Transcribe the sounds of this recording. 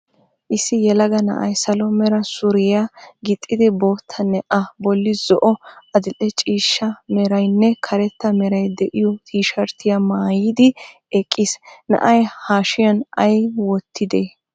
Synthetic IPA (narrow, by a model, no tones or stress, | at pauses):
ʔɪsːɪjɛlɐɡɐnɐ̰ʔɐjsɐlɔmɛɾɐsʊɾɪjɐɡɪt̪ʼːɪd̪ɪboːt̪ʰːɐnɛʔɐbɔlːɪzɔʔɔɐd̪ɪlʼɛt͡ʃʼiːʃːɐmɛɾɐjnːɛkʰɐɾɛt̪ːɐmɛɾɐjd̪ɛʔɪjɔt̪ʰiːʃɐɾt̪ʰɪjɐmaːjɪd̪ɪ | ɛkʼːɪsnɐ̰ʔɐjhaːʃɪjɐnɐjwɔt̪ːɪd̪e